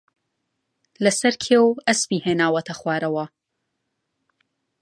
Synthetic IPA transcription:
lɐsɐɾkʰeːwɐspiːheːnaːwɐt̪ʰɐxwaːɾɐwɐ

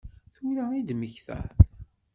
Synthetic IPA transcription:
θulæid̪məçθæ̰θ

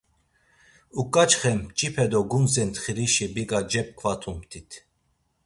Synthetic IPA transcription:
ukʼat͡ʃχɛmt͡ʃʼipʰɛd̪ɔɡunzɛnt̪χiɾiʃibikʼad͡ʒɛp̚kʰvat̪ʰumʰt̪ʰit̪ʰ

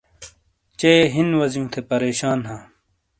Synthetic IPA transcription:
t͡ɕeɦinwɐzjũːt̪ʰepɐɾeːɕaːnɦãː

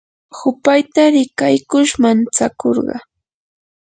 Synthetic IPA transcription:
hʊpajt̪aɾɪkajkʊʃmant͡sakoɾɢɑ̰

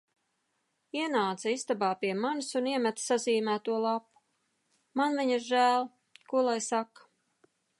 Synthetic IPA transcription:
iɛnaːt̪saist̪abaːpiɛmansuniɛmæt̪saziːmæːt̪uɔlˠapu̥ | manviɲiɾʒæːlˠ | kuɔlˠajsakːḁ

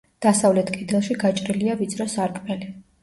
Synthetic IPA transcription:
d̪̥asavlɛt̪ʰkʼid̪ɛlˠʃiɡat͡ʃʼɾiliavit̪sʰʼɾɔsaɾkʰʼmɛli

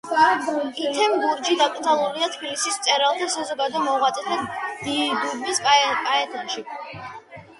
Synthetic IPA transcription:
it̪ʰɛmɡuɾd͡ʒid̪ak̪ʼzalˠuɾiat̪ʰbilisist̪sʼɛɾalˠt̪ʰasazɔɡad̪ɔmɔʁat̪sʼɛt̪ʰad̪̥iɡuɾbiskʼkʼaɛt̪ʰɔnʃi

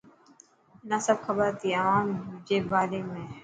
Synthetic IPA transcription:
nasɐb̚xɐbəɾt̪ʰiɐʋaːmʊd͡ʒʱebaːlemẽ

